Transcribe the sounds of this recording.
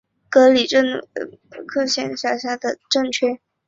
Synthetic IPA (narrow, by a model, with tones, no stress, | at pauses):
kɤ˧˥li˨˩ʈ͡ʂə˥˩ŋ˧ | kʰɤ˥˧ɕjɛ˥˧nɕja˥˩ɕja˥˩d̪ə˨˩ʈ͡ʂɤ˥˧ŋt͡ɕʰɥɛ˥˩